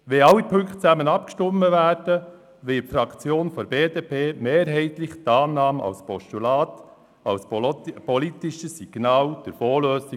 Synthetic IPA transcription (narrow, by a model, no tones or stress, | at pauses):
ʋɛɑlːipʰɵŋkt̚t͡sæmənɑpkʃtʊmːəvæːɾd̥ə | ʋɪtfɾɑkt͡sjoːnfɔɾbeːd̪eːpʰeːmeːɾɦɛɪt̪lɪχt̪ɑːnɑːmɑ̰lspɔʃtulɑːt̪ | ɑlspɔlit̪ɪʃəsiɡ̥nɑːld̥̪əɾfoːløːsi